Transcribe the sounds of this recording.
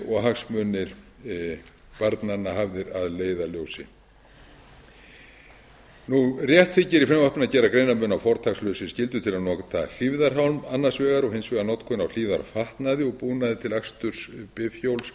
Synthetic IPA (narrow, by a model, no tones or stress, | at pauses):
ɔɣɦaksmœnːɪɾ̥ | paɾt̪nanːaɦavðɪɾaðleːjðaljoːwsɪ̰ | nurjɛht̪θɪcɪɾifɾɛmvahpnɪnacɛːɾakɾeːjnamʏnawfɔɾ̥t̪ʰakslœːwsɪscɪlt̪ʏt̪ʰɪlaðnɔːkat̪ʰaːl̥ivðaɾ̥ɦawlmanːḁsvɛːɣaɾɔɣhensvɛːɣaɾnɔt̪kʰɔnawl̥iːða̰ɾfaht̪naðɪɔɣpuːnaðɪt̪ʰɪlakst̪ʏɾ̥spɪfjowls